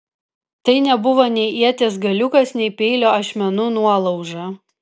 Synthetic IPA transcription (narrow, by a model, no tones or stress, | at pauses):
t̪ɐɪnʲɛbʊʋoːnʲɛɪʔiɛt̪ʲeːsɡɐlʲʊkɐsnʲɛɪpʲɛɪlʲoːɐʃʲmʲɛnunuɔlˠɒʊʒɐ